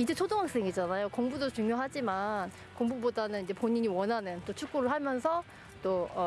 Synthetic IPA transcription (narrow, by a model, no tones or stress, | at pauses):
id͡ʑet͡ɕʰodoŋak̚s͈eŋid͡ʑanajokoŋbudot͡ɕuŋjoɦad͡ʑiman | koŋbubodanɯnid͡ʑe̞poɲiɲiwʌnɦanɯnt͈ot͡ɕʰuk͈oɾɯɭhamjʌnsʰʌ | t͈oʌ